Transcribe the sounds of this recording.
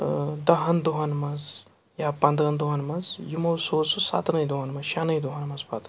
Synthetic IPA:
d̪ɐɦɐnd̪uɦɐnmɐz | japɐ̃nd̪ɾɐnd̪uɦɐnmɐzjumosoːsusa̰ːt̪nɐid̪uɦɐnmɐzʃanɐid̪uɦɐnmɐzpat̪

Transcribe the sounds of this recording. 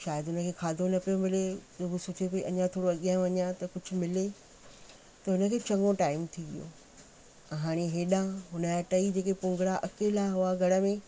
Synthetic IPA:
ʃaːjəd̪ʊnə̆kʰeːkʰaːd̪ʱonɐpijomɪled͡ʑɐɡʊsʊt͡ɕʰepiʔɐɲãt̪ʰoːɽoɐɠijãːʋɐɲãt̪ɐkʊd͡ʑʱʊ̆mɪle | t̪ɐɦʊnə̆kʰeːt͡ɕɐ̃ŋɡoʈaːɪmt̪ʰiʋḭjo̰ː | ɦaːɽ̃eɦeːɗãɦʊnəjaʈɐid͡ʑeːkepʊ̃ŋɡɽaʔɐkeːlaɦʊaɡʱɐɽə̆mẽ

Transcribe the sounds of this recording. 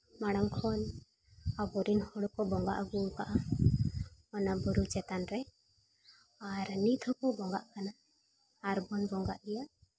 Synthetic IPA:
maɽ̃aŋkʰɔn | abɔɾinhɔɽkɔbɔŋɡa̰ʔɡuŋkaʔa | ɔnabɔɾut͡ʃɛt̪anɾɛ | aɾnit̪ʰɔkɔbɔŋɡaʔkanaː | ɾbɔnbɔŋɡa̰ʔɡɛjaʔ

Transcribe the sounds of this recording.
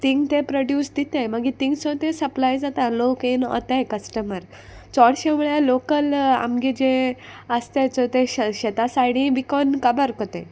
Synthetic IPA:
t̪iŋɡt̪epɾoɖjuːsd̪it̪ẽməɡit̪iŋɡt͡sɔ̃t̪esəplajd͡zat̪ãlokinɔ̰t̪ajkəsʈəməɾ | t͡sɔɽɕẽmuɭɛlokəla̰mɡid͡ʑe | əst̪et͡sɔt̪eɕet̪asajɽĩʋikɔnkəbəɾkot̪ẽ

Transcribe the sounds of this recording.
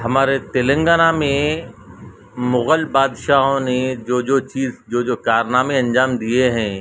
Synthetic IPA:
ɦɐmaːɾet̪elə̃ŋɡaːnamẽ | mʊɣəlbaːd̪ʃaːɦõned͡ʒoːd͡ʒoːt͡ʃiːzd͡ʒoːd͡ʒoːkaːɾnaːmeɐ̃nd͡ʒaːmd̪ieɦɛ̃ː

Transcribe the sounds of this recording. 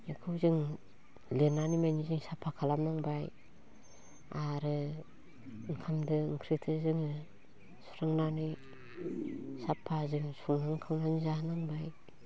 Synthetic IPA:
ekʰɯwzɯŋ | lenːanimajnizɯŋsapʰːakʰalamnaŋbaj | aɾɯ | ɯŋkʰamdɯŋkʰɾitʰɯzɯŋ | su̥ɾɯŋnani | sapʰːazɯŋsuŋnaŋkʰaŋnanizanaŋbaj

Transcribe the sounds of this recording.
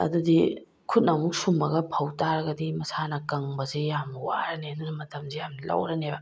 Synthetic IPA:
ɐ̰d̪udi | kʰut̚nɐmuk̚sumɐɡɐpʰɐwtaɾɐɡɐdimɐsanɐkɐŋbɐzejamnɐwa̰ɾɐneɐdunɐmɐtɐmzejamnlɐ̰wɾɐnebɐ

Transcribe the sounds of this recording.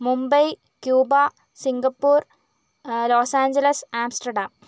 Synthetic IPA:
mumbɐj | kjuːba | siŋɡɐpːuːr | loːsaːɲd͡ʑɐlɐsaːmsʈɐɖaːm

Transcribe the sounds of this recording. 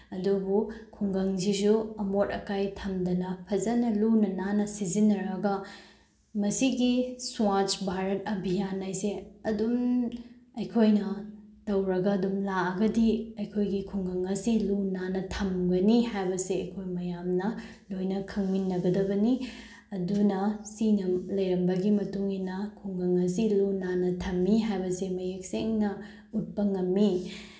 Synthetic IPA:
ɐdubukʰuŋɡɐŋzizuɐmotɐkajtʰɐmdɐnɐpʰɐzɐnɐlunɐnanɐsizinːɐɾɐɡɐ | mɐsiɡiswat͡ʃbʱaɾɐt̚ɐbʱijanːajseɐdum | ɐjkʰojnɐtɐwɾɐɡɐːdumlaɐɡɐdiɐjkʰojɡikʰuŋɡɐŋɐsilunanɐtʰɐmɡɐnihajbɐseɐjkʰojmɐjamnɐ | lojnɐkʰɐŋminːɐɡɐdɐbɐni | ɐdunɐsinɐlɐjɾɐmbɐɡimɐtuŋinɐkʰuŋɡɐŋɐs̬ilunanɐtʰɐmːiɦajbɐsemɐjek̚seŋnɐ | ut̚pɐŋɐmːi

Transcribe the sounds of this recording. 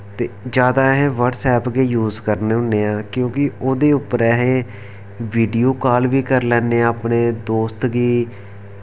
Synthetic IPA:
t̪eːd͡ʒjaːd̪aːɦɛ̃ːʋəɾʈsɛːpɡeːjuːzkəɾneːʊnːeːãːkjõːkɪoːd̪eːʊpəɾɛːɦeː | ʋiːɖijoːkaːlʋiːkəɾlɛ̃ːneːaːpneːd̪oːst̪ɡiː

